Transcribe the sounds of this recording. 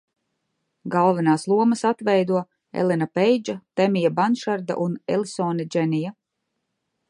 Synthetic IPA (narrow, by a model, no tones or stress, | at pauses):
ɡalˠvɛnaːslˠuɔmɐsat̪vɛjd̪uɔ | ɛ̰lɛnapɛjd͡ʒat̪ɛmijabanʃaɾd̪a̰ʔunɛlˠsɔːnid͡ʒɛnija